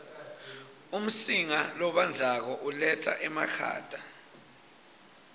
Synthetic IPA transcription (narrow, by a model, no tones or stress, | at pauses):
um̩siŋalɔɓand͡zʱak̬ɔʔulɛt͡sʰa̰ʔɛmakʰa̰ːd̥ʱa